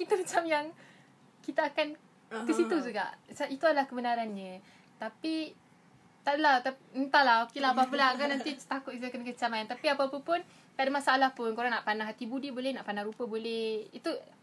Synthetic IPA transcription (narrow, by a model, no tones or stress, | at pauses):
kit̪umat͡ʃamjaŋ | kit̪aːkan | əsit̪ud͡ʒuɡa̰ʔsait̪uadalahkəbənaɾanɲə | t̪api | t̪aʔdəlat̪aənt̪alaokelaapaapəlaɡanant̪it̪akʊt̪̚it̪akankət͡ʃamajant̪apiapapəpʊn | padamasaʔːlahpʊnkoɾaŋnaʔpanaɦat̪ibudibolɛhnaʔpanaɾupəbolɛhit̪u